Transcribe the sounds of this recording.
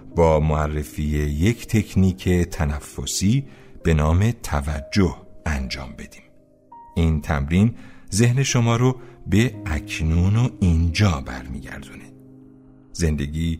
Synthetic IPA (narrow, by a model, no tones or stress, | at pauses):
bɒːmoærːefiːjeje̞cʰt̪ʰe̞cʰniːcʰe̞t̪ʰænæfːo̰siːb̥e̞nɒːme̞t̪ʰævæd͡ʒːohænd͡ʒɒ̰ːmbe̞d̪i̥ːm | ʔint̪ʰæ̰mɾiːnze̞hne̞ʃo̞mɒːɾobe̞æcʰnuːnoind͡ʒɒːbæ̰ɾmḭːɟæ̰ɾd̪uned̪̥ | ze̞nd̪e̞ɡiː